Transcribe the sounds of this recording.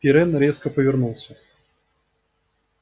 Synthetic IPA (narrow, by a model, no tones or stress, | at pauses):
pʲɪɾɛnɾʲeskəpəvʲɪrnulˠsʲə